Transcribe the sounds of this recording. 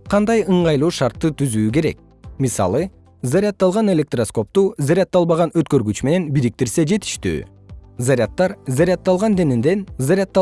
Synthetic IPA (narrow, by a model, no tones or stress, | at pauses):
qʰɑnd̪ɑjɯɴʁɑjlˠuːʃɑɾt̪ːɯt̪yzyːk̬e̞ɾe̞̰k̚ | misɑ̰lˠɯ | zaɾʲɪat̪ːɑlˠʁɑne̞lʲe̞k̚t̪rosko̞p̚t̪uzaɾʲat̪ːɑlˠβɑʁɑnø̞t̪kø̞ɾɡyt͡ʃme̞ne̞nbiɾik̚t̪iɾse̞d͡ʒe̞t̪i̥ʃt̪y̰ː | zaɾʲat̪ːɑɾzaɾʲɪat̪ːɑlˠʁɑnd̪e̞nind̪e̞nzaɾʲɪat̪ːɑ